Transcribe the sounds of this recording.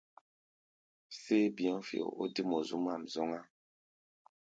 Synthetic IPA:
se˦bi˨ɔ̃˦fḭ˨o̰˨ʔo̰˦di˦mɔ˨zu˦m˦a˦˨mzɔ˦ŋa˦

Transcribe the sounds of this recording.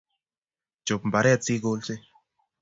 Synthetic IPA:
d͡ʒo˨pmba˨ɾɛː˦˨t͡siː˦ɡoː˧˦lse˦

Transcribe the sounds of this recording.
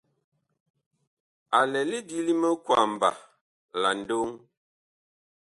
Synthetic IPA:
a˨lɛ˨li˦di˦li˦mə˦kwa˨m̩˨ba̰˨ | la˨n̩˨do˦ŋ

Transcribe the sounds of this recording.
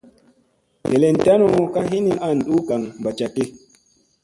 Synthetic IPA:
de˨le˨n˨ta˦no˦ka˦ɦi˦ni˦a˦˨n̩˨ɗu˦ka˨ŋba˨t͡ʃa˨ki˦

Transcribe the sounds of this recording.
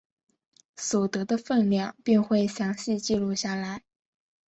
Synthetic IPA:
swɔ˨˩t̪ɤ˧˥d̪ə˧fə˥˧nljɑ˥˩ŋpi˥˧ŋxwe˥˩ɪɕjɑ˧˥ŋɕi˥˧t͡ɕi˥˧lu˥˧ɕja˥˩la˧˥ɪ

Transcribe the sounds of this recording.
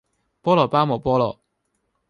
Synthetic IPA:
pɔː˥lɔː˨˩paː˥mɔː˨˩pɔː˥lɔ̰ː˨˩

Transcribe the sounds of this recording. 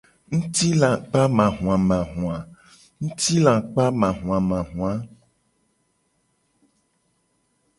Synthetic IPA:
ŋ̩̃˦t̪i˦lã˨k͡pa˦mã˨ɦũ˨ã˨mã˨ɦũ˨ã˨ | ŋ̩̃˦t̪i˦lã˨k͡pa˦mã˨ɦũ˨ã˨mã˨ɦũ˨ã˦

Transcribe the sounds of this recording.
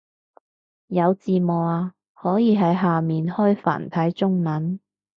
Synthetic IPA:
jɐ˨˧wt͡siː˨mɔː˨˩aː˧ | hɔː˨˥jiː˨˧ɦɐ˨˥jɦaː˨miː˨nhɔː˥jfa̰ː˨˩nt̪ʰɐ˨˥jt͡sʊ˥ŋmɐ˨˥n

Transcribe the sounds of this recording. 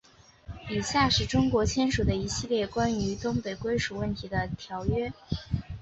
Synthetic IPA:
i˨˩ɕja˥˩ʂɻ̩˥˩ʈ͡ʂʊ˥ŋkwɔ˧˥t͡ɕʰjɛ˥nʂu˨˩d̪ə˦i˧˥ɕi˥˧ljɛ˥˩kwa˥ny˧˥t̪ʊ˥ŋpe˨˩ɪkwe˥ɪʂu˨˩wə˥˩nt̪ʰi˧˥d̪ə˧t̪ʰjɑ˧˥ʊɥɛ˥

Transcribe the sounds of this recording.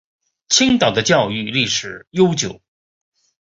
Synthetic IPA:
t͡ɕʰi˥ŋt̪ɑ˨˩ʊd̪ə˦t͡ɕjɑ˥˧ʊy˥˧li˥˩ʂɻ̩˨˩˦jo˥ʊt͡ɕjo˨˩˦ʊ

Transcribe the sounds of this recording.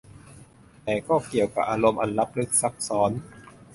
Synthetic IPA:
t̪ɛː˨˩kɔː˥˩ki˨˩əwka˨˩p̚ʔaː˧ɾo˧mʔa˧nla˦˥p̚lɯ˦˥k̚sa˦˥k̚sɔː˩˦˥n

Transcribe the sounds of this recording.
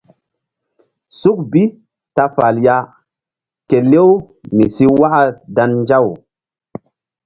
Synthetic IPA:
su˦k̚bi˦ | ta˧fa˨lja˦ | ke˨le˦w | mi˨si˦wa˦ʔa˦da˧nːd͡ʒa˦˨w

